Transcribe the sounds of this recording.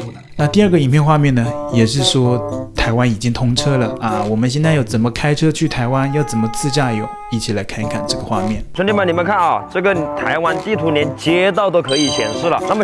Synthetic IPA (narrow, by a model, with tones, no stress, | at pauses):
na˥˧t̪i˥˧ə˥˩ɡə˩i˨˩pjɛ˥˧nxwa˥˧mjɛ˥˩nə˩jɛ˨˩ʂɻ̩˥˩ʂwɔ˥t̪ʰa˧˥ɪwa˥ni˨˩t͡ɕi˥ŋt̪ʰʊ˥ŋʈ͡ʂʰɤ˥lə˨ɐ˥˧wɔ˨˩mə˦nɕjɛ˥˧nt͡sɪjo˥˩ʊt͡sə˨˩nmə˦kʰa˥ɪʈ͡ʂʰɤ˥t͡ɕʰy˥˩t̪ʰa˧˥ɪwa˥njɑ˥˩ʊt͡sə˨˩nmə˦t͡sɹ̩˥˧t͡ɕja˥˩jo˨˩˦ʊi˥˩t͡ɕʰi˨˩la˧˥ɪkʰa˥˧n˧kʰa̰˥˩nʈ͡ʂɤ˥˩ɡə˩xwa̰˥˧mjɛ˥˩nʈ͡ʂʰə˧˥ni˥mə˨˩ni˨˩mə˦nkʰa˥˩nɑ˨˩ʈ͡ʂɤ˥˩ɡə˩n˨˩t̪ʰa˧˥ɪwa˥nt̪i˥˩t̪ʰu˧˥njɛ˧˥nt͡ɕjɛ˧˥t̪̬ɑ˥˩ʊt̪̬o˥ʊkʰɤ˧˥i˨˩t͡ɕʰjɛ̰˨˧˩nʂɻ̩˥˩lə̰˨˩na˥˩mə˨˩